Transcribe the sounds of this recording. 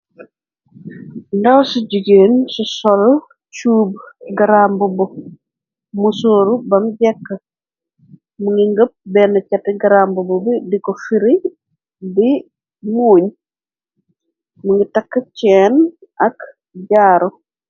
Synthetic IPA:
ndɐwsuɟuɡeːnsusɔl | t͡ʃuːbɡɐɾambubɔ | musoːɾubɐmɟɛkːə | muŋɡiŋɡəp̚bɛnɐcɐtɛɡɐɾaːmbububidikɔfiɾi | bi | muːɲ | muŋɡitɐkːət͡ʃɛːn | ʔɐk | ɟaːɾɔ

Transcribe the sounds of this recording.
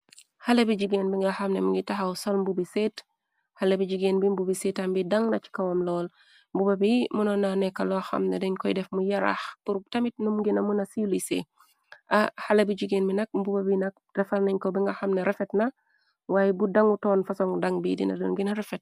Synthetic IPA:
halebiɟiɡeːnbiŋɡaxɐmnemuŋɡitaɦawsolmbubiseːt | halebiɟiɡeːnbimbubisetambidaŋnɐt͡ʃi̥kɐwomlɔːl | mbubabimunɔnːanɛkalɔaxɐ̰mnedɛɲkɔjidɛfmujaɾa̰xpuɾtɐmit̚numɡinɐmunɐsiulisḛ | ʔahalebid͡ʒiɡeːnbinɐk̚mbubabinɐk̚rɛfalnɐɲkobiŋɡɐxamneɾefetnɐ | waːjɛbudaŋutɔːnfasoŋdaŋbidḭnɐ̰dṵnɡinɾɛfet̚

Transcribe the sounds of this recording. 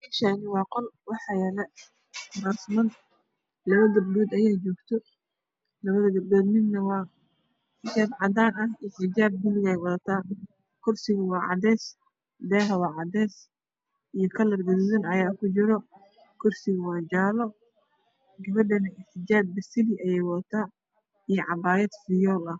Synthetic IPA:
ɛʃanɪwɑːqɔlwɑħɑjɛlɛ | nɐsmɐd̪ | lɐβɐd̪ɐbɖɔːd̪ɐjaːt͡ʃɔːɡt̪ʰɔ | lɐβɐðɐɡɐbdɔːd̪mɪd̪nɐwɑː | ħɪt͡ʃaːd̪ʕɑd̪aːnɐhɪħɪd͡ʒaːb̚ɡʊlɪɣɛjwɐðɐt̪ʰaː | kʰʊrsɪɣʊwɑːʕɑ̰d̪ɛːs | d̪ɛːɦɐwɑːʕɑd̪ɛːs | ijɔkʰɐlɐrɡɐdzɐnɐjaːkʰʊt͡ʃɪɾɔ | kʰʊrsɪɣʊwaːd͡ʒaːlɔ | ɡɐβɐɖɐnɐɪħɪd͡ʒaːb̚ːɐsɪlɪʔɐjɛjwɐt̪ʰaː | ijɔʕɑbaːjɛd̪fɪjɔːlɐh

